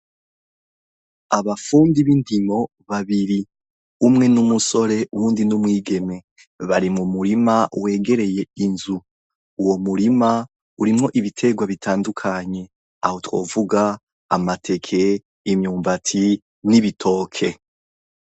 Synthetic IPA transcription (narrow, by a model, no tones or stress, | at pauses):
aβafuːndiβindimo̞ | βaβiɾi | umŋe̞numuso̞ɾe̞ʔuwuːndinumŋiːɡe̞me̞ | βaɾimumuɾimawe̞ːɡe̞ɾe̞je̞inzuː | wo̞muɾima | uɾimŋo̞ʔiβitʰe̞ɡwaβitʰaːndukʰaɲe̞ | a̰ho̞two̞̰ːvuɡa̰ː | matʰe̞kʰe̞ | imɲuːmbatʰi | niβitʰo̞ːkʰe̞